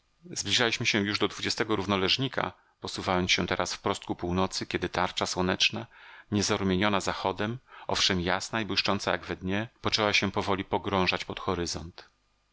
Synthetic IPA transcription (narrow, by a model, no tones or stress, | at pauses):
zblʲiʐalʲiɕmɘɕɛjuʐd̪ɔd̪vud͡ʑɛst̪ɛɡɔɾuvnɔlɛʐɲikʰa̰ | pɔsuvajɔnsɕɛt̪ɛɾasfpɾɔst̪̚kupuwnɔt̪sɘkʲɛd̪ɘt̪aɾt͡ʂaswɔnɛt͡ʂnaɲɛzaɾumʲjeɲɔnazaxɔd̪ɛmɔfʂɛmjasnaibwɘʂt͡ʂɔnt̪saja̰ɡvɛd̪ɲɛpɔt͡ʂɛwaɕɛpɔvɔlʲipɔɡɾɔ̃w̃ʐat͡ɕpɔt̪xɔɾɘzɔnt̪